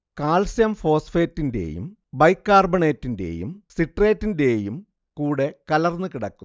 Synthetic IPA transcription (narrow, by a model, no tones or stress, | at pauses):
kaːɭsjɐmfo̞ːsfeːtːindḛjṵm | bɐjkːaːrbɐɳe̞ːtːinde̞̰jṵmsiʈre̞ːtːinde̞jum | kuːɽe̞kɐlɐrnːɨkiɽɐkːu